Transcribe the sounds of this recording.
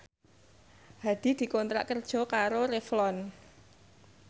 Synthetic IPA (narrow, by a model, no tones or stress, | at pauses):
had̪̥i̤d̪̥i̤kɔnt̪ɾa̰ʔkərd̥ʒ̥ɔ̤kaɾoɾeflɔn